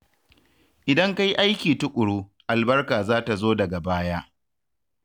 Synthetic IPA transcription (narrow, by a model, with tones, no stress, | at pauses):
ʔɪ˨dɐ˦ŋka˦jʔa˦jkʲiː˨tʊ˦kʷʼʊ˨ɽuː˦ | ʔa˨lbɐ˦rkaː˨zaː˦ta˨zoː˦dɐ˨ɡa˨baː˦jaː˦ʔ